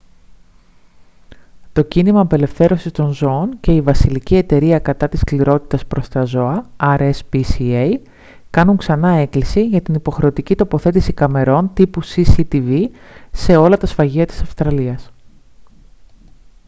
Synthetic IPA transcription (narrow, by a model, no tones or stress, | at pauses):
t̪o̞cinimɐːpe̞le̞fθe̞ɾo̞sist̪o̞nzo̞once̞ivɐsilicie̞t̪e̞ɾiɐkɐt̪ɐt̪iskliɾo̞t̪i̥t̪ɐspɾo̞st̪ɐzo̞ɐɐɾespisiej | kɐnuŋksɐnɐe̞klisiʝɐt̪inipo̞xɾe̞o̞t̪icit̪o̞po̞θe̞t̪isikɐme̞ɾo̞nt̪ipusisit̪ivi | se̞o̞lɐt̪ɐsfɐʝiɐt̪i̥sɐfst̪ɾɐliɐs